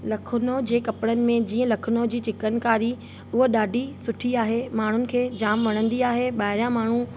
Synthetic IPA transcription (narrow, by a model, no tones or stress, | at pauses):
lɐkʰʊnod͡ʑeːkɐpɪɽənɪ̆mẽd͡ʑiːə̃lɐkʰʊnoːd͡ʑiːt͡ɕɪkənkaːɾi | ʊɦoɗaːɖʱisʊʈʰiaːɦemaːɳ̤ʊnɪ̆kʰeːd͡ʑaːmʋɐɽ̃ə̃nd̪iaːɦeɓaːɪɾjãmaːɳ̤ũ